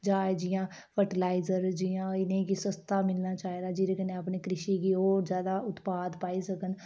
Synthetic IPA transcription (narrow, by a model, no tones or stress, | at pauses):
d͡ʒaːed͡ʒɪjãː | pʰəʈəlaːɪzəɾd͡ʒijãːɪnẽːkisəst̪ʰaːmɪlnaːt͡ʃaːeːd̪aːd͡ʒɪɾeːkənẽːapniːkɾɪʃiːɡiːɦoːɾzjaːd̪aːʊt̪paːd̪paːiːsəkən